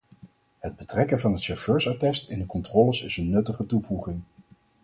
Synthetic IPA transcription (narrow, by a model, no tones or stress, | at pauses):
həd̚bətrɛkənvɑnɦətʃɔføːɹsatɛstɪndəkɔntrɔləsɪsənːɵtəχətuvuχɪŋ